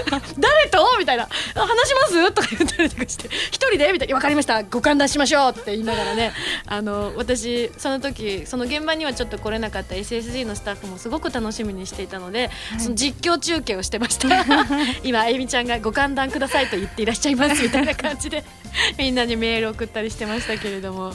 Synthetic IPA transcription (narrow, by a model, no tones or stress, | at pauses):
d̪aɾe̞t̪o̞mʲit̪ainahanaɕ̬imasɨt̪okajɯt̪ːɾit̪okɯ̥ɕi̥t̪eçi̥t̪o̞ɾʲid̪e̞mʲit̪aiiβakaɾʲimaɕi̥t̪aɡo̞kãnd̪ãɕimaɕ̬o̞ːt̪ːe̞iːnaɡaɾane̞ano̞βat̪aɕ̬iso̞not̪o̞kʲiso̞no̞ɡẽ̞mbaɲ̟iβat͡ɕo̞t̪ːo̞ko̞ɾe̞nakat̪ːae̞sɨes̬ɨiːno̞sɨ̥t̪aɸɯ̟mo̞sɨɡo̞kɯ̟t̪ano̞ɕimʲiɲ̟iɕi̥t̪e̞it̪ano̞d̪e̞so̞nod͡ʑikʲːo̞ːt͡ɕɨːke̞ːo̞ɕi̥t̪e̞maɕi̥t̪ʰa | imaemʲit͡ɕãŋɡaɡo̞kãnd̪ãŋkɯd̪asait̪ojɯ̟t̪ːe̞iɾaɕi̥t͡ɕaimasɨmʲit̪ainakʰãɲ̟d͡ʑid̪e̞ | mʲĩnːaɲ̟ime̞ːɾɯokɯ̟t̪ːaɾʲiɕi̥t̪e̞maɕi̥t̪ake̞ɾe̞d̪o̞mo̞